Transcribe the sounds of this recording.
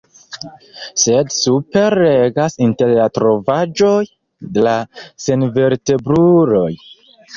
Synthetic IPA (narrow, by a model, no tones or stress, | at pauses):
se̞dsupe̞ɾeɡasinte̞ɾlatɾo̞vad͡ʒo̞j | delase̞nve̞ɾte̞bɾuɾo̞j